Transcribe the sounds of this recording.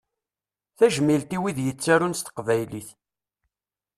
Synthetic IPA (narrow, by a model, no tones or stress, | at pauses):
θæʒmilt̪iwiðjət͡sːaɾunst̪ə̥qvæjliθ